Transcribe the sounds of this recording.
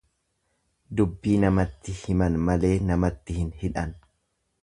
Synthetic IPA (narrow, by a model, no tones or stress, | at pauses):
d̪ʊbːiːnɐmɐt̪ːɪhɪmɐnmɐle̞ːnɐmɐt̪ːɪhɪnhɪᶑɐn